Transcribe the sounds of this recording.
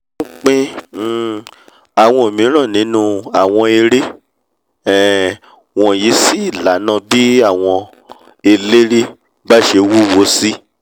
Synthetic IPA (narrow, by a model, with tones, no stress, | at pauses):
ũ˦k͡pẽ˦˨ | a˨w̃ɔ̃˧o˨mĩ˨˦ɾ̃ã˦˨nĩ˨˦nũ˦a˦˨w̃ɔ̃˧e˧ɾe˦ | ɛ˨ | w̃ɔ̃˧˨ji˨˦si˦˨la˨˦nã˦˧bi˦a˦˨w̃ɔ̃˧ | e˧le˦ɾi˦ | ba˦ʃe˧wu˦wo˨˧˦si˦